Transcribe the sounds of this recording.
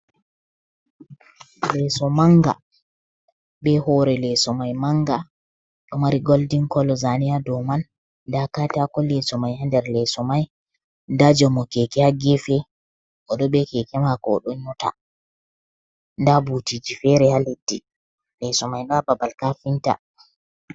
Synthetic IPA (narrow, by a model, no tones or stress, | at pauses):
lɛsɔmaŋɡa̰ | bɛhɔɾɛlɛsɔmajmaŋɡa | ɗɔmaɾiɡoldiŋkɔlɔzanijadɔman | dakatakɔlɛsɔmajhandɛɾlɛsɔmaj | ndad͡ʒɔmɔkɛkɛhaɡɛfɛ | ʔɔɗɔɓɛkɛkɛmakɔ̰ːɗɔɲuta̰ | ndabutid͡ʒifɛɾɛhaledːi | lɛsɔmajndababalkafinta̰